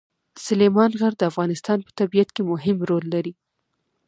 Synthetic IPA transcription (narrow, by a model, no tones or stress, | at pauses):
sʊlemɑnɣaɾd̪əafɣɑnɪst̪ɑnpə̥t̪abijat̪kemʊɦɪmɾolːaɾi